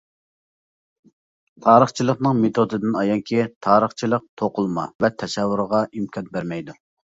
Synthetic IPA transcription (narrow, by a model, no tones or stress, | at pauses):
t̪ʰɑːɾəχt͡ʃʰilˠəqnɨŋmet̪ʰod̪ɨd̪ɪnɑjɑŋkʲʰit̪ʰɑːɾəχt͡ʃʰilˠəq̚t̪ʰoqʊlˠmɑ̰vɛt̪ʰɛsɛvːuɾʁɑʔimkʰɑnbæɾmɛjd̪u